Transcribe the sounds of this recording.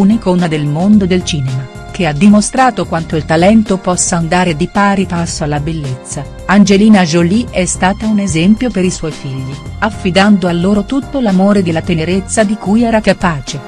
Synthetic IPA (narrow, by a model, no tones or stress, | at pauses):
unikounad̪elmond̪od̪elt͡ʃiːnema | kead̪ːimost̪ɾaːt̪okwant̪oilt̪alɛnt̪opɔsːaand̪aːɾed̪ipaːɾipasːoalːabelːet̪sːa | and͡ʒeliːnad͡ʒoliɛst̪aːt̪aunezɛmpjopeɾiswɔjfiʎːiafːid̪and̪oalːoːɾot̪ut̪ːolamoːɾed̪ilːat̪eneɾet̪sːad̪ikujɛːɾakapaːt͡ʃe